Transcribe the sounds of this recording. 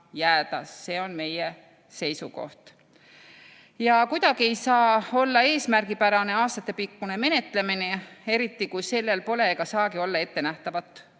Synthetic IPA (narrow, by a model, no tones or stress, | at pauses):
jæːd̪ɑ̰sːe̞ːo̞nme̞je | se̞jsuko̞̰ht̪ | jɑkujd̪̥ɑɡ̥ie̞jsɑːo̞lːɑe̞ːsmærɡipæɾɑne̞ɑːst̪ɑt̪ːˑe̞pikːune̞me̞ne̞t̪ˑle̞minee̞ɾit̪ːˑikujse̞lːe̞lpo̞le̞ɡ̥ɑsɑːɡio̞lːɑe̞t̪ːe̞næht̪ɑvɑt̪ːˑ